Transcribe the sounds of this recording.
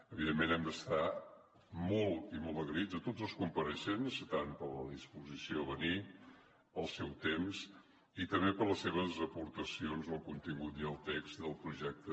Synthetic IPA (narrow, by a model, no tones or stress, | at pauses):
əβiðemːenɛmd̪əst̪a | mɔlˠt̪imɔlˠt̪əɣɾid͡zət̪od͡zəlˠskumpəɾəʃenzt̪anpələðispuzisioβəni | əlˠsɛwt̪emz | it̪əmbepəɾləsːeβ̞əzəpuɾt̪əsionzəlˠkunt̪iŋɡut̪iəlˠt̪eksd̪əlˠpɾuʒɛk̚t̪ə